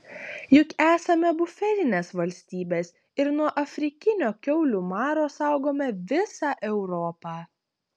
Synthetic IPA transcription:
jʊkæːsɐmʲɛbʊfʲɛlʲɪnʲeːsʋɐlʲsʲt̪ʲiːbʲeːs | ɪɾnuɔʔɐfʲɾʲɪkʲɪnʲoːkʲɛʊlʲuːmɑːɾoːsɑˑʊɡoːmʲɛʋʲɪsɑːʔɛʊɾɔːpɑː

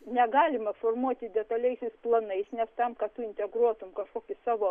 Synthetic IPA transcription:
nʲɛɡɑːlʲɪmɐfoːrmuɔt̪ʲɪd̪ʲɛt̪ɐlʲɛɪsʲɛɪsplˠɐnɐɪsnʲɛst̪ɐmkɐt̪ʊɪnʲt̪ʲɛɡɾuɔt̪ʊmkɐʃkoːkʲɪsɑːʋoː

